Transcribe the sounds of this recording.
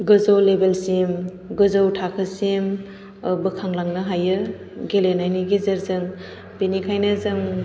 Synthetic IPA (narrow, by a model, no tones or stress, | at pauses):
ɡɯzowlebelsim | ɡɯzawtʰakʰɯsim | bɯkʰaŋlaŋnɯɦajɯ | ɡelenajniɡizɯɾzɯŋ | benikʰajnɐzɯŋ